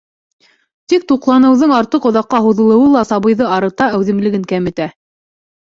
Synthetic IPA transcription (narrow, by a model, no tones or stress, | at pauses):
t̪ik̚t̪uqlˠɑnɤ̆wðɤɴɑɾt̪ɤqŏðɑqːɑɦuðɤ̆lˠɤ̆wɤlˠɑsɑβɤ̆jðɤɑɾɤ̆t̪ɑæwðɘ̆mlɘ̆ɡɘŋkæmɘ̆t̪æ